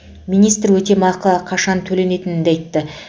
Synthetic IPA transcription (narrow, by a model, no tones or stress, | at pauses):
mijnijst̪rwɵt̪e̞mɑqəəqʰɑʃɑnt̪ʰɵle̞ne̞t̪ɪnɪnd̪ejt̪ːɪ